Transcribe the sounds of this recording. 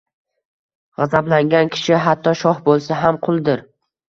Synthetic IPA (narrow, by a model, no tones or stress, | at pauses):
ʁɑzablaŋɡʲankʲʰɪ̥ʃɪɦat̪ʰːɒʃɒhbolˠsaɦamqʰʊlˠd̪ɪɾ